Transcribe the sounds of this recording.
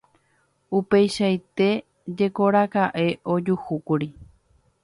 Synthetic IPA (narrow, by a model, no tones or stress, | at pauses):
upe̞jʃajt̪e̞ | d͡ʒe̞ko̞ɾakaʔe̞ʔo̞d͡ʒuhukuɾi